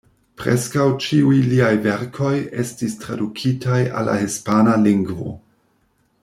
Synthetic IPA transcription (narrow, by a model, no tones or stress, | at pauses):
pɾḛskawt͡ʃiujliajveɾkʰo̞je̞stistɾadukʰitʰaja̰la̰hispanaliŋɡvo̞̰